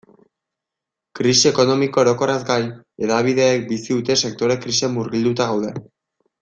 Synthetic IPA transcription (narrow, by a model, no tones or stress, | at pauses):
kɾisieko̞no̞miko̞eɾo̞ko̞ɾazɡaj | e̞ðaβ̞iðe̞ːk̚bisiðut̪e̞se̞k̚t̪o̞ɾe̞kɾise̞mːuɾɣild̪ut̪aɣawðe̞